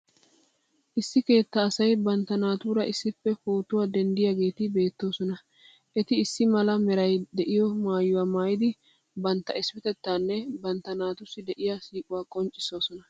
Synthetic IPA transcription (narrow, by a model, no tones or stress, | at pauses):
ʔɪsːɪke̞ːt̪ːɐːsɐjbɐnt̪ːɐnaːt̪uːɾɐʔɪsːɪfːɛfo̞ːt̪ʊwaːd̪ɛnd̪ɪjaɡe̞ːt̪ɪbe̞ːt̪ːo̞ːsɔnɐ | ʔɛt̪ɪːsːɪmɐlɐmɛɾɐjd̪ɛʔɪjɔmaːjːʊwaːmaːjɪd̪ɪ | bɐnt̪ːɐɪspɪt̪ɛt̪ːaːnːɛbɐnt̪ːɐnaːt̪ʊsːɪd̪ɛʔɪjasiːkʼʊwaːkʼɔnt͡ʃʼːɪso̞ːsɔnɐ